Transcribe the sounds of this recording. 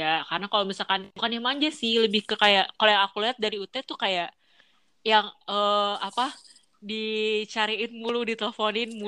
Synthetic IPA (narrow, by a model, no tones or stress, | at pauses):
akaɾənakalomisalkanbukanamaɲd͡ʒasɪhləbɪhkəkajaʔkalojaŋakuliɦat̪̚daɾiut̪ɛt̪ukajaʔ | jaŋəapa | dit͡ʃaɾiɪnmuludit̪eləfonɪnmu